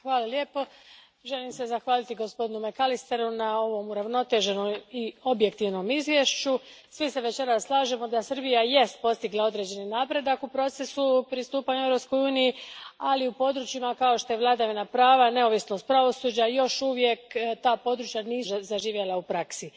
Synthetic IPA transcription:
xʋaːlalje̞ːpo̞ | ʒe̞limsezaxʋaːlit̪iɡo̞spo̞d̪inume̞kalist̪e̞ɾunao̞ʋo̞muɾaʋno̞t̪e̞ʒe̞noio̞bje̞kt̪iʋno̞mizʋjeʃt͡ɕu | sʋiseʋe̞t͡ɕe̞ɾasːlˠaːʒe̞mo̞d̪asərbijaje̞st̪̚po̞st̪iɡlˠao̞d̪ɾe̞d͡ʑe̞ninaːpɾe̞d̪akupɾo̞t̪se̞supɾist̪uːpaɲuevɾo̞psko̞juːnijialiupo̞d̪ɾut͡ʃimakao̞ʃt̪o̞je̞ʋlˠad̪aʋinapɾaːʋane̞o̞ʋisno̞st̪pɾaʋo̞suːd͡ʑajo̞ʃuʋjekt̪aːpo̞d̪ɾut͡ʃjaniːzaʒiːʋje̞lˠaupɾaksi

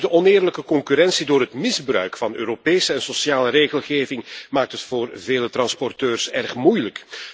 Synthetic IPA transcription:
dəʔɔnɪːrləkəkɔŋkyɾɛnsidoːrɦətmɪzbrœ̰ɥkfɑnøːɾopeːsəɛnsɔsjaːləɾeːɣəlˠɣeːvɪŋmaːk̚tɦətfoːrveːlətrɑnspɔrtøːrsɛrxmujlək

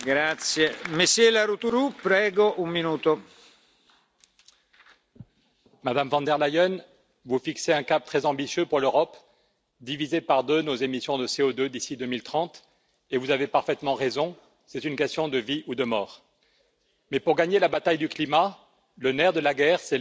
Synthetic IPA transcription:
ɡɾat̪sjemeselaɾut̪uɾupɾɛːɡoʔumminuːt̪o | mad̪amvɑ̃d̪ɛʁlajɔn | vufikseɛ̃kap̚t̪χɛzɑ̃bisjøpuʁløʁɔp | d̪ivizepaʁd̪ønozemisjɔ̃d̪əseod̪ød̪isid̪ømilt̪χɑ̃t̪ | evuzavepaʁfɛt̪mɑ̃ʁezɔ̃ | sɛt̪ynkʲɛst̪jɔ̃d̪əviud̪əmɔːʁ | mɛpuʁɡaɲelabat̪ajd̪yklima | lənɛʁd̪əlaɡɛʁsɛ

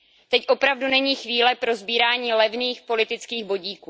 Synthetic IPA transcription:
t̪ɛcʔo̞pɾavdunɛɲiːxviːlɛpɾo̞zbiːɾaːɲiːlɛvniːxpo̞lɪt̪ɪt͡skiːɣbo̞ɟiːkuː

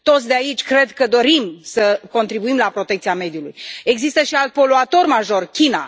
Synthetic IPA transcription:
t̪o̞t̪sʲd̪eait͡ʃʲkɾe̞d̪kəd̪o̞ɾimsəko̞nt̪ɾibuimlapɾo̞t̪ekt̪siame̞d̪julṵje̞ɡzist̪əʃialt̪̚po̞luat̪o̞rmaʒo̞rkʲina̰

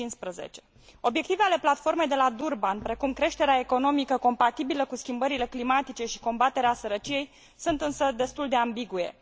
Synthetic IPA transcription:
inspɾəzḛt͡ʃe̞̥ | o̞bje̞k̚t̪iveale̞plat̪fo̞rme̞jd̪e̞lad̪urbanpɾe̞kumkɾe̞ʃt̪e̞ɾeae̞ko̞no̞mikəko̞mpat̪ibiləkuskʲimbəɾile̞klimat̪it͡ʃe̞ʃi̥ko̞mbat̪e̞ɾeasəɾət͡ʃije̞j | sunt̪ɨnsəd̪e̞st̪uld̪e̞ambiɡuje̞̰

